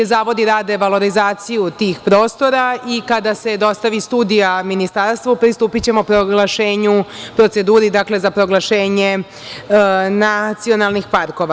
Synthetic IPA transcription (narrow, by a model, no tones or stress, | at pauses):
ezaːʋo̞d̪iɾaːd̪eʋalˠo̞ɾizaːt̪sijut̪iːxpɾoːst̪o̞ɾaikad̪ase̞d̪o̞st̪aʋist̪uːd̪ijaminist̪aːɾst̪ʋupɾist̪uːpit͡ɕe̞mopɾoɡlaʃeːɲupɾo̞t̪se̞d̪uːɾid̪akle̞zapɾo̞ɡlˠaʃeːɲe | nat̪sio̞nalˠnixpaɾko̞ʋa